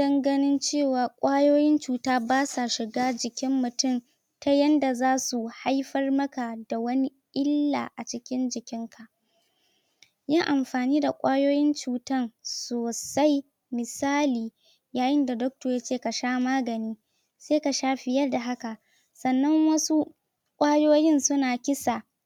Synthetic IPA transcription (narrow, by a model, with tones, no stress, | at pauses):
dɐ˦ŋɡɐ˦nɪ˦nt͡ʃeː˦˨waː˨kʷʼaː˦joː˦jɪ˦nt͡ʃuː˨taː˦baː˦sa˨ʃɪ˨ɡaː˦d͡ʒɪ˨kʲɪ˦mːʊ˨tʊ˦˨m | ta˦jɐ˦nda˨zaː˦su˨ha˦jɸɐ˦rmɐ˦ka˨da˨wɐ˦ni˦ʔɪ˦lːa̰ː˨ʔa˨t͡ʃɪ˦kʲɪ˦nd͡ʒɪ˨kʲɪ˦ŋkʰa˨ʔ | ja˦ʔa˨mɸaː˨niː˦da˨kʷʼaː˦joː˦jɪ˦nt͡ʃuː˨tɐ˦nsoː˨sa˦j | mɪ˨saː˦liː˨ | jaː˨jɪ˦nda˨dɔ˦k̚toː˨jaː˦t͡ʃeː˦˨ka˨ʃaː˦maː˦ɡɐ˨niː˦ | seː˦ka˨ʃaː˦ɸɪ˨jɐ˦rda˨ɦa˦ka˨ | sɐ˨nːɐ˦ŋwɐ˦su˦ | kʷʼaː˦joː˦jɪ˦nsʊ˦naː˨kʲɪ˦sa˨